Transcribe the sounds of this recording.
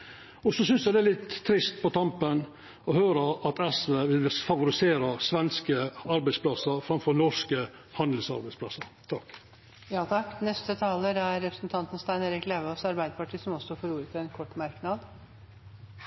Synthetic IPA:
ɔsɔsʏnsjæd̪ɛælɪt̪ʰːɾɪst̪̚pɔt̪ʰɑmpən | ɔhøːɾəʔɑt̪ɛsʋeːʋɪlfɑʋʊɾɪseːɾəsʋɛnskəɑɾbæɪspʰlɑsəɾfɾɑmfɔɾnɔʂkə | hɑnd̪l̩sɑ̰ɾbæɪspʰlɑsəɾt̪ʰɑkː | jɑːt̪ʰɑkːnɛst̪ət̪ʰɑːləæɾːɛpɾəsnt̪ʰɑnt̪ənst̪æɪneːɾɪkleʋəɔsɑɾbæɪd̪əpɑʈʰiːsɔmɔsɔfɔɾuːɾət̪əɛnkʰɔʈːmɑɾknɑd̪

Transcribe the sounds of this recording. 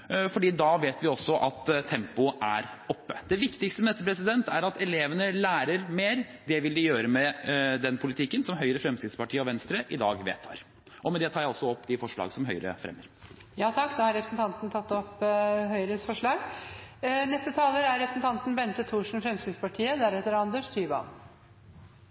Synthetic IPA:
fɔɖiːd̪ɑʋeːt̪ʋɪɔsːɔʔɑt̪t̪ʰːɛmpʊʔæɾɔpːəd̪ɛʋɪkt̪ɪkst̪əmɛd̪ɛt̪ːəpʰɾɛs̬ɪd̪ɛnt̪æɾɑt̪ɛleːʋənəlæːɾəɾmeːɾd̪ɛʋɪld̪ɪjøːɾəmɛd̪ɛnpʰʊlɪt̪ʰɪkːənsɔmɦœʏɾəfɾɛmsɪd̪spɑʈʰiːəɔʋɛnst̪ɾəʔɪd̪ɑ̰ːɡʋḛːt̪ʰːɑ̰ːɾ | ʔɔmɛnd̪ɛt̪ʰɑːɾjæɪɔsːɔɔpːd̪ɪfɔʂɭɑ̰ːɡsɔmɦœʏɾə̰fɾɛ̰mːəɾ | jɑːt̪ʰɑkːd̪ɑhɑɾɛpɾəsn̩t̪ʰɑnt̪nt̪ʰɑt̪ːɔpːhœʏəɾəsfɔʂɭɑːɡ | nɛst̪ət̪ʰɑːləɾæɾɛpɾəsn̩t̪ɑnt̪n̩bɛnt̪ət̪ʰuːʂɳ̩fɾɛmsɪd̪spɑʈʰiːəd̪æɾɛt̪ːəɾɑnd̪əʂt̪ʰyːʋɑ̰n

